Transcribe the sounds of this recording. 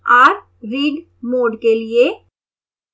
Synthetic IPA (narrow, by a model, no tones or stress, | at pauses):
ɔːɾ | ɾiːɖ | moːɖkelie